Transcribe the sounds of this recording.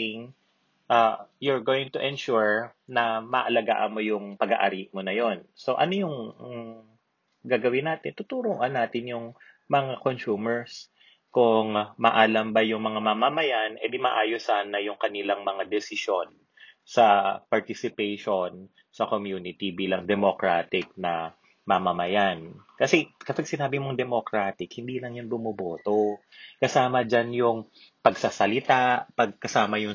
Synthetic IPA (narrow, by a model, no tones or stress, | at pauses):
ɪŋ | ʔajʊɹɡoːwɪŋt̪ʊʔɛnʃuɹnɐmɐʔɐlɐɡa̰ːʔɐnmo̞jʊŋpɐɡa̰ʔɐ̰ɾiʔmonɐjo̞nso̞ʔɐ̰nojʊŋ | ɡaːɡɐwɪnːaːt̪ɪnt̪ʊt̪uːɾoʔɐnaːt̪ɪnjʊŋ | mɐŋakonsuːmɛɹs | kʊŋmɐʔaːlɐmbɐjʊŋmɐŋamɐmamɐjanʔɛd̪ɪmaʔaːjosaːnɐjʊŋkɐnɪlɐŋmɐŋad̪ɛsɪʃo̞n | sɐpɐɹt̪ɪsɪpɛjʃon | sɐkomjuːnɪt̪ibiːlɐŋd̪ɛmokɹaːt̪ɪk̚nɐ | mɐmɐmɐjankɐsɛkɐpɐɡ̚sɪnaːbɪmoŋd̪ɛmokɾaːt̪ɪkhɪnd̪iːlɐŋjʊnbʊmʊboːt̪o | kɐsaːmɐd͡ʒanjʊŋ | pɐɡsaːsɐlɪt̪apɐɡ̚kɐsaːmɐjʊŋ